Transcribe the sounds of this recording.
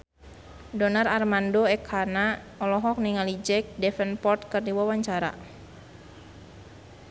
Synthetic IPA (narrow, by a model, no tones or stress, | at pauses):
dɔnararmandoɛkʰhana | ɔlɔɦɔk̚niŋalid͡ʒɛk̚dɛfɛnpɔrt̪kərdiwawaɲt͡ʃaɾa̰